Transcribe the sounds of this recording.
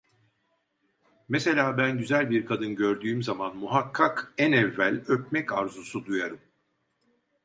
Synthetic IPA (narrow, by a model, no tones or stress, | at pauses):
mese̞lʲaːbænɟyzælʲbiɾkʰad̪ɯnɟøɾd̪yːmzamanmuɦakʰːakɛnɛvːælʲøp̚mɛcaɾzusud̪ujaɾɯm